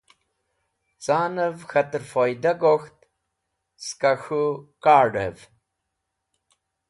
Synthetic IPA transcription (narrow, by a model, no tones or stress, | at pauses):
t͡saːnɨvxɐtɨɾfojd̪ɐɡoxt̪ | skɐxukaːɖə̰v